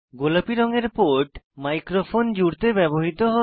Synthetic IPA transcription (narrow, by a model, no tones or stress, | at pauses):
ɡolapiɾɔŋeɾpoʈmajkɾofond͡ʑuɾt̪ebɛboɦit̪oɦɔ